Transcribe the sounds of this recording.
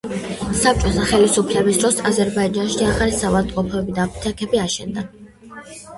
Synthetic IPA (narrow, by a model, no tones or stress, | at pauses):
sap̚t͡ʃʼɔzaχɛlisupʰlɛbisd̪ɾɔsazɛɾbaid͡ʒanʃiaχalisavat̪ʼqʼɔpʰɔɛbid̪aːpʰi̥t̪ʰakʰɛbiaʃɛ̰nd̪a